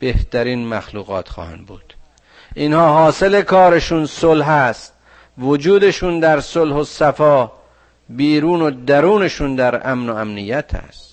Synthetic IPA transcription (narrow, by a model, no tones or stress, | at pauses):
b̥eht̪æɾiːnmæxluːɣɒ̰ːt̪xɒ̰ːhæ̰nd̪bṵːd̪̥ | ʔinhɒːɦɒːse̞lekʰɒːɾeʃuːnsolɦæst̪̚ | vod͡ʒuːd̪eʃund̪æɾsolhosæfɒː | biːɾuːnod̪æɾuːneʃuːnd̪æɾæmnoæmnijːæt̪ʰæ̰st̪